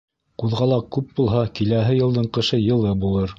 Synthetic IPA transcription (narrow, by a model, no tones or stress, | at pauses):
quðʁɑlˠɑkʉp̚bulˠɦɑkilæɦɘjɤ̆lˠd̪ɤɴqɤ̆ʃɤjɤ̆lˠɤbulˠɤɾ